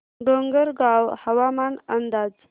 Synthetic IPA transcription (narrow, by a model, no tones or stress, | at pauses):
ɖoŋɡəɾɡɑwhawamanand̪ɑːz